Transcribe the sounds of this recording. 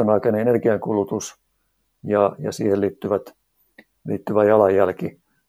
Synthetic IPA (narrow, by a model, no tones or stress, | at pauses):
onɑˑikɑneenerɡiɑŋkulut̪us | jɑjɑ̰siːhelliːt̪ːyʋæt̪ | lḭːt̪ːyʋæjɑlɑjjælki